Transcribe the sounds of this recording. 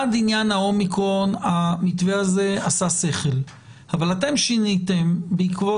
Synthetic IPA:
adinjanhao̞mikʁo̞namit̪veaze̞asaseχel | havalate̞mʃinit̪embeikvo

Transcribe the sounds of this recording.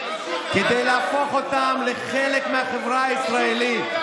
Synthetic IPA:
ked̪ejlaafo̞χo̞tamleχele̞kmeaχevʁaaisʁaelit

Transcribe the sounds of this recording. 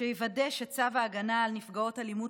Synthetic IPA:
eivadeʃet͡savaːɡanaːlnifɡao̞talimu

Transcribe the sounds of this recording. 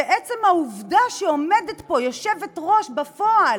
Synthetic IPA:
eʔet͡semhauvdaʃeo̞medetpo̞jo̞ʃevetʁo̞ʃbafoal

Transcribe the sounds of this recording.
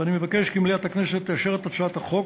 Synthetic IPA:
animevakeʃkimlijat̪hakneset̪ːejaʃeʁet̪at͡suat̪haχo̞k

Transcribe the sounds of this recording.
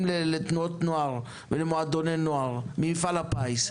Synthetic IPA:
mlelet̪nuot̪noaʁ | velemoad̪onenoaʁmifalapais

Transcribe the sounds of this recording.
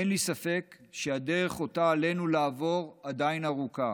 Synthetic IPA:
enlisafe̞kʃeade̞ʁe̞χo̞taːle̞nulaːvo̞ʁadainaʁuka

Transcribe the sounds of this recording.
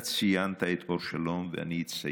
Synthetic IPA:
t͡sijant̪aet̪ʔoɾʃalomvea̰niitt͡sa

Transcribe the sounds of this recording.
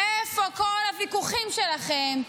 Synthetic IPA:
efokolavikuχimʃelaχem

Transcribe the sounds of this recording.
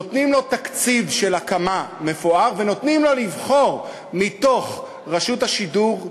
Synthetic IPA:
ot̪nimlo̞t̪akt͡sivʃe̞lakamame̞foaʁveno̞t̪nimlo̞livχo̞ʁ | mit̪o̞χ | ʁaʃutaʃiduʁ

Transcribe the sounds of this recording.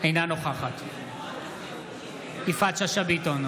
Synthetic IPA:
ajnanoχaχat̪ | ifat͡ʃaʃabit̪on

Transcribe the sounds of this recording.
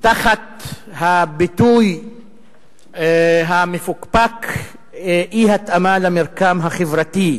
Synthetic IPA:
t̪aχat̪ | habit̪uj | ɦamefukpak | ihat̪amalameʁkamɦaχevʁat̪i

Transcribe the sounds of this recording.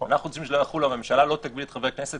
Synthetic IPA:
a̰naχuot͡ssimʃelojaχulamemʃalalo̞t̪aɡ̚bilet̪χave̞kneset̪

